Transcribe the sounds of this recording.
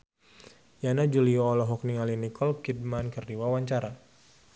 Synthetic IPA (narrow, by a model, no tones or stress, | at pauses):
janad͡ʒuliɔːlɔɦɔkniŋalinikʰɔlkid̚mankərdiwawaɲt͡ʃaɾa